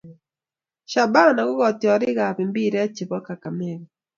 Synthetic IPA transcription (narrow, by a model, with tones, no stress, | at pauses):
ʃa˨ba˦na˨ɣʊ˦ɣɔ˨t̪jɔ˨ɾɪ˦ɣa˨pi˨mbi˦ɾɛ˦t͡ʃɪ˨bɔ˦ka˨ka˨mɛ˨ɣɔ˨